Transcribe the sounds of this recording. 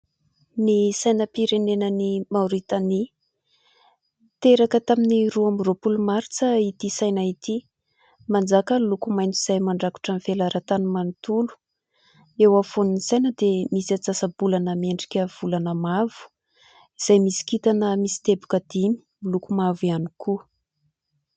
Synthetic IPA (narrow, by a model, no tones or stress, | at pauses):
nisajnəpiɾenenənimauɾit̪ani | t̪eɾakət̪aminiruamropulumaɾt͡səit̪isajnait̪i | mand͡zakəlukumajnt͡siz̥ajmaɳɖ͡ʐaku̥ʈ͡ʂanfelaɾat̪animanit̪ulu̥ | ewafoninisajnəd̪emisat͡sasabulanəmeɳɖ͡ʐi̥kʲəv̥ulanəmavu̥ | iz̥ajmisi̥kit̪anəmisi̥t̪ebu̥kəd̪̥imi̥milukumavianiku